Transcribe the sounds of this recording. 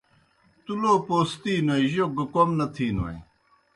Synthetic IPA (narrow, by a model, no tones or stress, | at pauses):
t̪uloːpoːst̪iːnwɐiʑoɡɐkomnɐt̪ʰiːnuɐ̰j